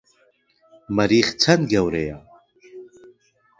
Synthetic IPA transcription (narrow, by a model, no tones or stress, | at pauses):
məɾiːχt͡sʰɐnɡɛwɾɛja